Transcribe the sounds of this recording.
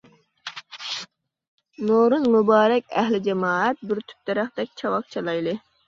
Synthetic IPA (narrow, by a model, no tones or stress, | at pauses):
noɾɨnmubɑːɾɛkʲɛɦlɪd͡ʒɛmɑːɛt̪̚byɾt̪ʰy̥p̚t̪ɛɾæχd̪ɛk̚ʲt͡ʃʰɑwɑq̚t͡ʃʰɑlˠɑjlˠɨ